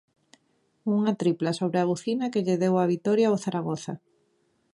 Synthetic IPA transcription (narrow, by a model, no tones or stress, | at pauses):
uŋat̪ɾiplasoβɾeaɣuθinakeʎeðewaβ̞it̪ɔɾjaoθaɾaɣ̞oθa